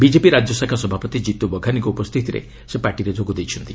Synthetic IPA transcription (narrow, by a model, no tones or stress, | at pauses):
bid͡ʒepiɾad͡ʒjɔsakʰasɔbʱapɔt̪id͡ʒit̪ubɔɡʱaniŋkɔupɔst̪ʰit̪iɾḛ | sepaɾʈiɾed͡ʒʱoɡud̪ejt͡ʃʰɔnt̪i